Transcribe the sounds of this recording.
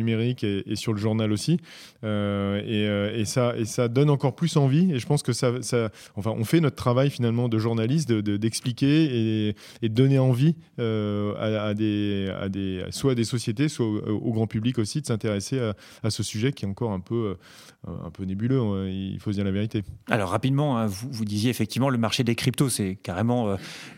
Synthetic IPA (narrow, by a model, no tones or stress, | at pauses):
ymeʁikʲeesyʁləʒuʁnalosi | øeøesaesad̪ɔnɑ̃kɔʁplysɑ̃vieʒəpɑ̃skəsasa | ɑ̃fɛ̃ʔɔ̰̃fɛnɔt̪̚t̪χavajfinalmɑ̃d̪əʒuʁnalis̬t̪d̪əd̪əd̪ɛksplikʲee | ed̪əd̪ɔneɑ̃vi | øa̰ːd̪ea̰d̪ḛswaːd̪esɔsjet̪eswaoɡʁɑ̃pyblikosid̪əsɛ̃t̪eʁesea | asəsyʒɛkʲiɛt̪ɑ̃kɔʁɛ̃pøø̰ | ɛ̰̃pønebyløiḭlfodəbjɛ̃laveʁit̪ea̰lɔʁːapid̪mɑ̃ɛ̃vuvud̪izjeːfɛk̚t̪ivmɑ̃ləmaʁʃed̪ekχip̚t̪osɛkaʁemɑ̃ø